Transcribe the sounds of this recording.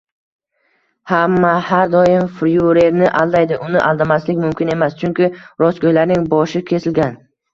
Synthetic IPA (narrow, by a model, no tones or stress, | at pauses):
hamːahaɾd̪ɒjɪmfɾjuɾe̞ɾnɪʔalˠd̪ajd̪ɪʔʊnɪʔa̰lˠd̪amaslɪkʲmʊmkʲʰɪne̞mast͡ʃʰʊŋkʲɪɾɒskojlaɾnɪŋbɒʃɪkʲʰe̞sɪlɡʲan